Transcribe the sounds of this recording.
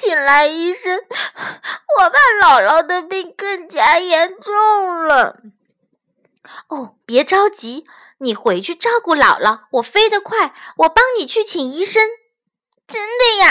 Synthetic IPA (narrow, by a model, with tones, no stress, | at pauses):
i˨˩nla˧˥ɪi˥ʂə˥ŋ | wɔ˨˩pa˥˩lɑ˨˩ʊlɑ˧˩ʊd̪ə˧pi˥˧ŋkə˥˩ŋt͡ɕja˥jɛ˧˥nʈ͡ʂʊ˥˩ŋlə˨ | o˥˩pjɛ˧˥ʈ͡ʂɑ˥ʊt͡ɕi˧˥ | ni˨˩xwe˧˥ɪt͡ɕʰy˥˧ʈ͡ʂɑ˥˧ʊku˥˩lɑ˨˩ʊlɑ˧˥˩wɔ˨˩fe˥ɪd̪ə˨kʰwa˥˩ɪwɔ˨˩pɑ˥ŋni˨˩t͡ɕʰy˥˩t͡ɕʰi˨˩ŋi˥ʂə˥ŋ | ʈ͡ʂə˥nd̪ə˧ja˨˩